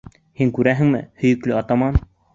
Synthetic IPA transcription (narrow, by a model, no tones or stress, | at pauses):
hiŋkʉɾæɦɘ̆ŋmɘ̰hɵ̆jɵ̆klɵɑt̪ɑmɑn